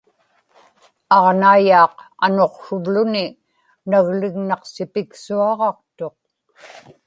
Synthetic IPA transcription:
ɑʁnaːjɑːqa̰no̞qʃʊlːʊnɪ | naɣlɪɣnɑqsɪpɪksuɑʁɑqt̪o̞q̚

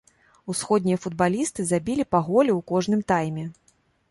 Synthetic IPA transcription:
usxɔd̪̚ʲnʲijɐfud̪̚balʲist̪ɨzabʲilʲipaɣɔlʲiwkɔʐnɨmt̪ajmʲɛ

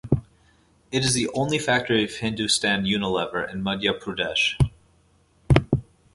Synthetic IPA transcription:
ɨɾɨzðiʔõʊ̃nlifæk̚tə˞iʌv̥hɪ̃ndʉstæ̃njʉnəlɛvə˞ʔɨ̃nmʌdjɨpʰɹ̥ʉdɛʃ

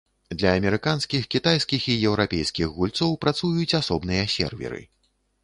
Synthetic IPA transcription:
d̪lʲɐːmʲɛɾɨkanskʲixkʲit̪ajskʲixijɛwɾapʲejskʲixɣulʲt̪sɔwpɾat̪sujut͡sʲasɔbnɨjɐsʲɛ̰rvʲɛ̰ɾɨ̰

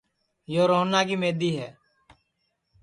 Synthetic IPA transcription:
joːɾoːnaːkiːmeːd̪iːɦɛː

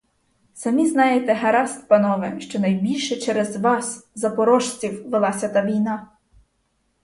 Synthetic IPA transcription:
sɐmʲiznɑjet̪ɛɦɐɾɑst̪pɐnɔʋɛʃt͡ʃɔnɐjbʲilʲʃɛt͡ʃɛɾɛzʋɑszɐpɔɾɔʃt͡sʲiwʋelˠɑsʲɐt̪ɑʋʲijnɑ

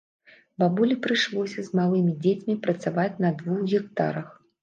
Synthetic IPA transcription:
babulʲipɾɨʂlˠɔsʲɐzmalˠɨmʲid͡zʲet͡sʲmʲipɾɐt̪savat͡sʲnɐd̪vuxɣʲɛk̚t̪a̰ɾɐx

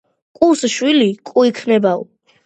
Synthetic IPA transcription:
kʼusʃwilikʼuikʰnɛbaɔ̰

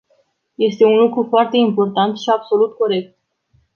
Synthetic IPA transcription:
je̞st̪e̞unlukɾufoart̪e̞impo̞rt̪ant̪ʃiabso̞lut̪ko̞ɾe̞k̚t̪̚

